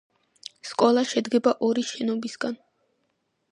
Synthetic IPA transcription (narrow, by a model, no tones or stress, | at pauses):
skʼɔlˠaʃɛd̪ɡɛbaʔɔɾiʃɛnɔbisɡan